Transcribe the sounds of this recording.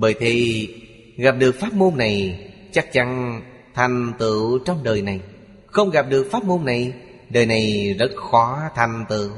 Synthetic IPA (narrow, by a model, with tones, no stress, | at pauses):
ɓəː˧˨˩jt̪ʰi˧˩ | ɣa˨˩p̚ɗɨ˨˩ək̚faː˦˥t̚mo˧nːa˨˩jt͡ɕa˦˥k̚t͡ɕa˧n | t̪ʰa˨˩jŋ̟t̪ɨ̰˧˨t͡ɕɔ˧wŋ͡mɗəː˨˩jna˨˩j | xə˧wŋ͡mɣa˨˩p̚ɗɨ˨˩ək̚faː˦˥t̚mo˧nːa˨˩j | ɗəː˨˩jna˨˩jzə˦˥t̚xɔ˨˦t̪ʰa˨˩jŋ̟t̪ɨ̰˧˨